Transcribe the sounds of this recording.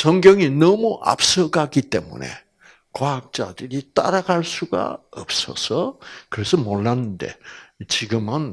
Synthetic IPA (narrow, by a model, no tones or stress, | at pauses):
sʌŋɡjʌŋinʌmuʔa̰p̚s͈ʌɡaɡit͈e̞mṵne̞̰ | kwaɦak̚t͡ɕ͈a̰dɯɾit͈a̰ɾaɡaɭs͈uɡa̰ʌp̚s͈ʌ̰sʰʌkɯɾe̞sʰʌmoɭːanɯnde̞̰t͡ɕiɡɯmɯn